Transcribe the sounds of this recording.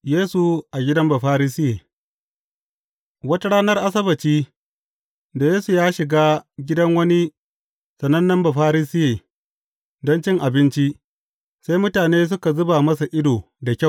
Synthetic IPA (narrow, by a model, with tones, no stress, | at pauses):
jeː˦su˨ʔa˨ɡʲɪ˦dɐ˦mba˨ɸaː˦ɾiː˦sɪ˦jeː˨ | wɐ˦ta˦ɽaː˦nɐ˦rʔa˦sɐ˦bɐ˨t͡ʃiː˦ | da˨jeː˦su˨jaː˦ʃɪ˨ɡaː˦ɡʲɪ˦dɐ˦ŋwɐ˦ni˦ | sɐ˨nɐ˦nːɐ˦mba˨ɸaː˦ɾiː˦sɪ˦jeː˨ | dɔ˦nt͡ʃɪ˦ŋʔa˨bɪ˦nt͡ʃi˦ | sa˦jmʊ˦taː˨neː˦s̬ʊ˦ka˨zʊ˦ba˨mɐ˦sa˨ʔɪ˦doː˨ | da˨kʲa˦˨